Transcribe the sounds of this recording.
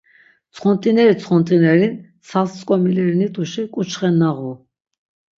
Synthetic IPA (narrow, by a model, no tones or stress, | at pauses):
t͡sʰχɔnt̪ʼinɛɾit͡sʰχɔnt̪ʼinɛɾin | salst͡sʼkʼɔmilɛɾinit̪ʰʼuʃikʼut͡ʃʰχɛnːaʁu